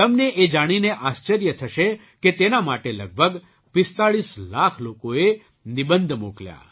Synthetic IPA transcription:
t̪əmneʔed͡ʒaɽ̃ineʔast͡ʃəɾjət̪ʰəʃe | ket̪enamaʈelə̰ɡ̚bʱəɡ | pɪst̪aɭislakʰlokoe | nibənd̪ʱmuklja̰

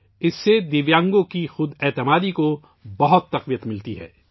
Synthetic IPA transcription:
ɪsːed̪ɪʋjãːŋɡõkixʊd̪ɛːt̪ɪmaːd̪iko | bɐɦʊt̪ːɐqʋijət̪mɪlt̪iɦɛ̰ː

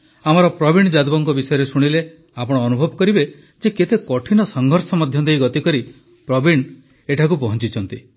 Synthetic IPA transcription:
amɔɾɔpɾɔbiɳd͡ʒad̪ubɔŋkɔbisɔjɔɾesuɽ̃ile | apɔɽ̃ɔːnubʱɔbɔkɔɾibe | d͡ʒeket̪ekɔʈʰinɔsɔŋɡʱɔɾsɔmɔd̪ʱjɔd̪ejɡɔt̪ikɔɾi | pɾɔbiɳ | eʈʰakupɔɦɔnt͡ʃit͡ʃʰɔnt̪i

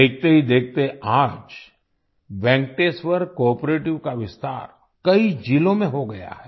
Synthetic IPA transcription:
eːk̚t̪eɦid̪eːk̚ʰt̪eaːd͡ʒ | bɛ̃ːŋk̚ʈeːswəɾkɔːɾpɾeːʈɪʋkaʋɪst̪a̰ːɾ | kɐid͡ʒiːlõmẽɦoɡɐja̰ɦɛː

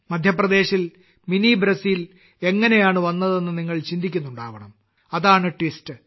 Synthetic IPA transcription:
mɐd̪ʱjɐprɐd̪e̞ːɕil | minibɾɐsiːl | e̞ŋːɐne̞jaːɳɨʋɐnːɐðe̞nːɨniŋːɐɭt͡ɕind̪ʱikʲːunːuɳɖaːʋɐɳɐm | ɐðaːɳɨʈʋistɨ

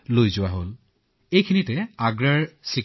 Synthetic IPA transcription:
lojzʊaɦol | ejkʰinitɛaɡɹaɹsi

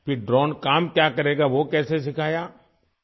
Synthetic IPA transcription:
pɪɖɾɔːnkaːmkjaːkɐɾeːɡaʋokɛːses̬ɪkʰaːjaː

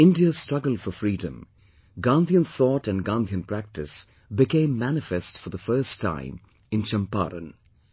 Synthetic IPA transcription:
ɪ̃ndiə̥stɹ̥ʌɡəl̩ˠfɔfɹiːdə̰̃m | ɡɑ̃nd̪iə̃nθɔːtæ̃nɡɑ̃nd̪iə̃npʰɾæk̚tɨs | bɪkẽɪ̃mːænɪfɛstfɔ˞ðəfɜ˞stʰːã̰ɪ̃m | ɨ̃nt͡ʃə̃mpa̰ɾə̰̃n

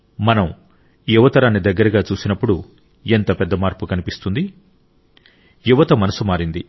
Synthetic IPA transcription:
mɐnɐm | juʋɐt̪ɐɾaːnːid̪ɐɡːɐɾɐɡaːt͡ʃuːsinɐpːuɽu | ent̪ɐpɛd̪ːɐmaːɾpukɐnipist̪und̪i | juʋɐt̪ɐmɐnɐsumaːɾind̪i

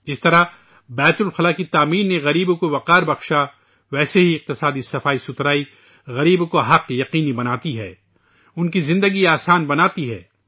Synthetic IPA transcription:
d͡ʒɪst̪ɐɾa | bɛːt̪ʊlxɐlaːkit̪aːmiːnːẽɣɐɾiːbokoʋɐqaːɾbɐxʃa | ʋɛːseɦiɪq̚t̪ɪsaːd̪isɐfaːisʊt̪ɾaːi | ɣɐɾiːbokoɦɐqjɐqiːnibɐnaːt̪iɦɛ̰ː | ʊnkizɪ̃nd̪əɡiaːsaːnbɐnaːt̪iɦɛː

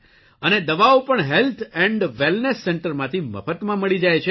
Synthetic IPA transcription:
əned̪əʋaopəɳɦelt̪ʰɛ̃ɳɖʋelnesːɛɳʈəɾmãt̪ʰimə̰fət̪mãməɭid͡ʒajt͡ʃʰe

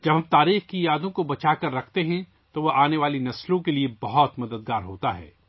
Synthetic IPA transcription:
d͡ʒɐbɦɐmt̪aːɾiːxkijaːd̪õkobɐt͡ʃaːkɐɾːɐkʰt̪eɦɛ̃ | t̪oʋoʔaːneʋaːlinɐslõkeliebɐɦɔt̪mɐd̪əd̪̚ɡaːɾɦoːt̪aɦɛ̰ː

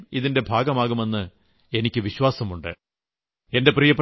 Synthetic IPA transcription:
miðinde̞bʱaːɡɐmaːɣume̞nːɨ | e̞nikʲːɨʋiɕwaːsɐmuɳɖɨ̰ | e̞nde̞prijɐp

